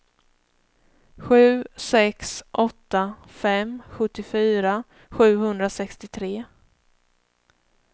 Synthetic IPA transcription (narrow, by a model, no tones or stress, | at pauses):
ɧʉ̟ːsɛksʔɔt̪ːa | fɛmɧɵt̪ːɪfyːɾa | ɧʉ̟ːhɵnd̪ɾasɛkst̪ɪt̪ʰɾeː